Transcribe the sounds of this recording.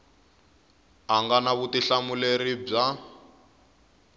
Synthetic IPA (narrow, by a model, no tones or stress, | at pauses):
aŋɡanaβutiɬamuleɾib͡ʐa